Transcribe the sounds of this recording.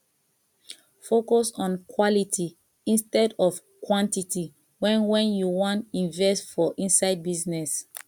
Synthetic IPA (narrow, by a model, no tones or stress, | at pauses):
fokɔsɔ̃nkʰwɔlitʰi | ĩnstɛdɔf | kwɔ̃ntiti | wɛ̃nwɛ̃njuwɔ̃ntĩnvɛstfɔʔĩnsaɪd̚biznɛs